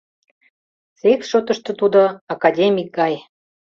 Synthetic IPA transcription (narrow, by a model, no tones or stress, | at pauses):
sekʃot̪ə̆ʃt̪ŏt̪ud̪oɑkɑdʲemʲik̚ɡɑj